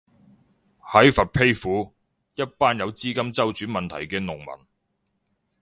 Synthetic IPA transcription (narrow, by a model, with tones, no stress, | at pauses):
hɐ˨˥jfɐ˨t̚pʰe˥jfuː˨˥ | jɐ˥t̚paː˥njɐ˨˧wt͡siː˥kɐ˥mt͡sɐ˥wt͡ʃyː˨˥nmɐ˨nt̪ʰɐ̰˨˩jkɛː˧nʊ˨˩ŋmɐ̰˨˩n